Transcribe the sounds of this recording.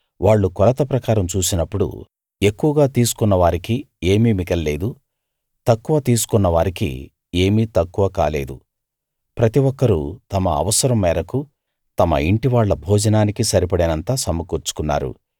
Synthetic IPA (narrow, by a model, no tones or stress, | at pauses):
ʋaːɭːukɔlɐt̪ɐpɾɐkaːɾɐmt͡ʃuːsinɐpːuɽṵ | e̞kːuʋɐɡaːt̪iːsu̥kunːɐʋaːɾiki | e̞ːmiːmikɐlːeːd̪u | t̪ɐkːuʋɐaːt̪iːsu̥kunːɐʋaːɾikḭ | e̞ːmiːt̪ɐkːuʋɐkaːle̞̰ːd̪u | pɾɐt̪iʋɔkːɐɾṵt̪ɐmɐɐ̰ʋɐsɐɾɐmːɛːɾɐku | t̪ɐmɐ̰iɳʈiʋaːɭːɐbʱɔːd͡ʒɐnaːnikisɐɾipɐɽinɐnt̪aːsɐmːɐkuːɾt͡ʃu̥kunːa̰ːɾṵ